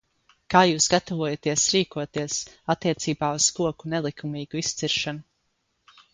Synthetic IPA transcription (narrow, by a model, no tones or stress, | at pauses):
kaːjuːsɡat̪ɔvuɔjat̪iɛsɾiːkuɔt̪iɛsat̪ːiɛt̪siːbaːuz̥skuɔkunɛlˠikʰumiːɡ̥uist̪siɾʃanu